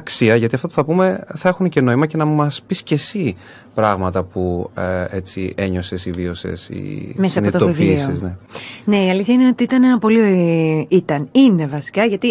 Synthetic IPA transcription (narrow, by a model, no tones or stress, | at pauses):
ksiɐʝɐt̪iɐft̪opu̥θɐpume̞θɐe̞xunece̞no̞imɐce̞nɐmɐspisce̞si | pɾɐɣmɐt̪ɐpuet͡sie̞ɲo̞sesivio̞se̞̰sḭmesɐɐnot̪ot̪oivliisoseznene̞iɐliθçɐine̞o̞t̪iit̪ɐneɐpo̞lioit̪ɐnine̞vɐsi̥kɐʝɐt̪i